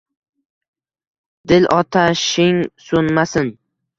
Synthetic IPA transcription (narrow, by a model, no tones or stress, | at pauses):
d̪̥ɪlʔɒt̪ʰaʃɪŋsonmasɪn